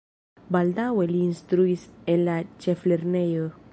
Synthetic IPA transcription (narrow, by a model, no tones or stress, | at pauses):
bald̪awɛlĩnst̪ɾuisɛlat̚t͡ʃɛflɛrnɛjə